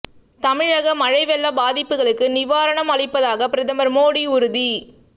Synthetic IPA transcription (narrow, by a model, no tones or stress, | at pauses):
t̪ɐmɪɻɐɣɐmɐɻɐɪʋɛɭːɐbaːðɪpːɯɣɐɭɯkːɯnɪʋaːɾɐɳɐmɐɭɪpːɐðaːɣɐpɪɾɐðɐmɐɾmoːɽiʊɾʊði